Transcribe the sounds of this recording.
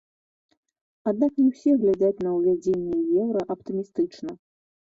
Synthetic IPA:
ad̪̚naknʲɛwsʲɛɣlʲad͡zʲat͡sʲnɐwvʲad͡zʲenʲːɛjɛwɾɐʔɐpt̪ɨmʲist̪ɨt͡ʂnɐ

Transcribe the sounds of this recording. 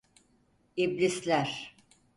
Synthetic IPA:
iblʲislʲæɾ̥

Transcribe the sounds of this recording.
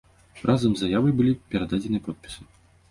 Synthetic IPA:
rʔazɐmzajavɐjbɨlʲipʲɛɾad̪ad͡zʲɛnɨjpɔt̪̚pʲi̥sɨ

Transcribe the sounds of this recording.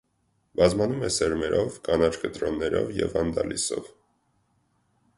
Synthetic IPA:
bɑzmɑnumɛsɛɾmɛɾʔɔvkɑnɑt͡ʃkət̪ɾɔnːɛɾɔvjɛvɑnd̪ɑlisɔv

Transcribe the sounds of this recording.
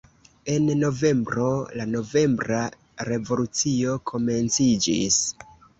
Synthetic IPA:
e̞nːo̞ve̞mbɾo̞lano̞ve̞mbɾa | ɾe̞vo̞lut͡sio̞kʰo̞me̞nt͡sid͡ʒḭs

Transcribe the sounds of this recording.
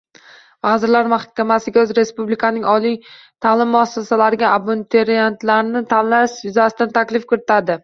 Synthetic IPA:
vazɪɾlaɾmaχkʲʰamasɪɡʲaɵzɾe̞spublɪkʰanɪŋɒlij | t̪ʰalɪmːʊasːasalaɾɪɡʲaʔabont̪ʰeɾiant̪laɾnɪt̪ʰanlaʃɪzasɪd̪ant̪ʰakʲlɪfkʊɾɪt̪ad̪ɪ

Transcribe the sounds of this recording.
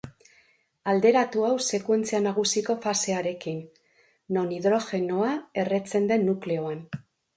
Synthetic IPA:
ald̪e̞ɾat̪uawse̞kwe̞nt͡sianaɣ̞usiko̞fase̞aɾe̞kinː | o̞niðɾo̞xe̞no̞ae̞re̞t͡se̞nd̪e̞nːukle̞o̞an

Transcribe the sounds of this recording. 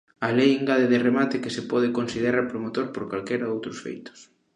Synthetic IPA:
ɐlejeŋɡaðeðɪremat̪ɪkɪsepɔð̞ɪkonsið̞eɾaɾpɾomot̪oɾpoɾkalkɛɾaðowt̪ɾʊsfḛjt̪ʊ̥s

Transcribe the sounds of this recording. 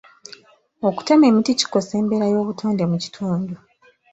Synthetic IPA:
o̞ku̥teme̞ːmitici̥ko̞se̞ːmbe̞ɾajo̞ːβutʰuːnde̞muci̥tʰuːndu

